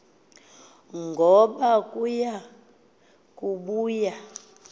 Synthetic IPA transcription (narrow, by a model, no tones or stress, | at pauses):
ŋɡʱɔɓakʼuja | kʼuɓuːja